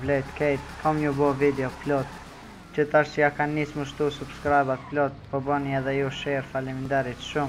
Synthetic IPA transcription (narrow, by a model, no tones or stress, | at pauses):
lɛjt̪kɛjt̪kʰɔmɲubɔvid̪ɛɔplɔt̪ | t͡ʃət̪aɾsiakanːisməʃt̪usubskɾajbat̪plɔt̪pɔbəniɛðɛjuʃɛɾfalɛmind̪aɾit̪ʃum